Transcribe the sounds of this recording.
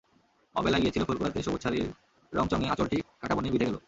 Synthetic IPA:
ɔ̰belaɡiet͡ɕʰilofolkoaɾt̪ɾiʃobotːɕʰaɾiɾ | ɾɔŋt͡ɕɔŋeat͡ɕoɾʈikʰaʈabonebid̪ʱeɡɛlo

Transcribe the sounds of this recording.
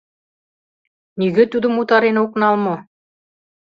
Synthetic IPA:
niɡɘ̆t̪ud̪ɤ̆mut̪ɑɾenɤuknɑlˠmo

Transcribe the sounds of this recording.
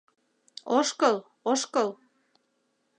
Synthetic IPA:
oʃkəl | oʃkəl

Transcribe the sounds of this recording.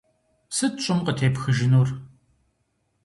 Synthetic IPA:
sɨtt͡ʃʼʊmqətʰeːpxɨʒɪnuːr

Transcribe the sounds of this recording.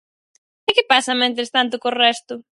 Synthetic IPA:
ɪkɪpasɐmẽnt̪̬ɾest̪ant̪̬ʊkorɛst̪ʊ

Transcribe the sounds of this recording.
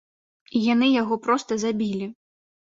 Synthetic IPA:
ijan̪ɨjaɣɔpɾɔst̪ɐzabʲilʲi

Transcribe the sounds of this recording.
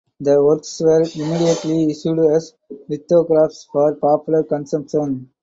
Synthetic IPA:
d̪əʋəɾksʋəɾimiːɖijəʈliɪʃjuːɖɛz | lɪt̪ːoːɡɾaːfʈsfɔːɾpɔːpjʊləɾkə̃nsʌ̃mpʃə̃n

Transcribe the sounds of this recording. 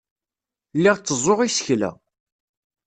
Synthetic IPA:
lːɪʁt͡sːəzˤoʁisə̥çlæ̰

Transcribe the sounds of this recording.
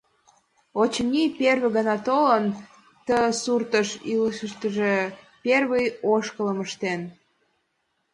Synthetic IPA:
ot͡ɕnʲiperβeɣənɑt̪olən | t̪əsurt̪əʃiləʃəʃt̪əʒe | pʲerβəjoʃkələməʃt̪en

